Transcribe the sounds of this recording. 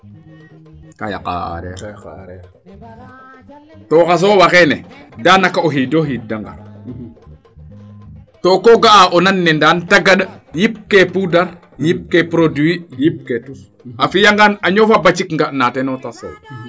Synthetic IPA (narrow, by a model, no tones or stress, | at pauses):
kaja̰ | toxas̬oːwaxɛnɛdanakaoɦidoɦidaŋɡa̰ɾ | tokoɡaʔaʔonanːɛndantaɡaɗjip̚kepudaɾ | jip̚kepɾoduijip̚ke | afijaŋɡanaɲofabat͡ʃikŋɡanatɛnotasḛ